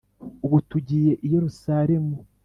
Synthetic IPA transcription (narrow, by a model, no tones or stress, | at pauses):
uβutuɟiːje̞ʔijeɾusaːɾe̞mu